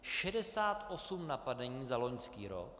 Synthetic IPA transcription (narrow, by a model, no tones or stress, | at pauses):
ʃɛdɛsaːt̪ʔo̞sumnapadɛɲiːzalo̞ɲskiːɾo̰k